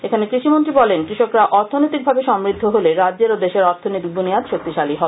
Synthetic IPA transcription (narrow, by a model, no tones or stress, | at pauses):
ekʰanekɾiʃimont̪ɾibɔlenkɾiʃokɾaʔɔɾt̪ʰonojt̪ik̚bʱabeʃɔmɾid̪ʱːoɦoleɾadd͡ʑeɾod̪eʃeɾɔɾt̪ʰonoit̪ik̚buniat̪ʃok̚t̪iʃaliɦɔ